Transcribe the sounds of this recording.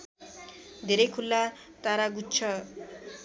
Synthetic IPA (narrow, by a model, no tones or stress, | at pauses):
d̪ʱeɾekʰulːat̪aɾaɡutːt͡ʃʰɔ